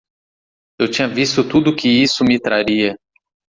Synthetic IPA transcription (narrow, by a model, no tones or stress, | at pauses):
ewt͡ʃĩɲɐvist̪ʊt̪ud̪ʊkɪisʊmɪt̪ɾaɾiɐ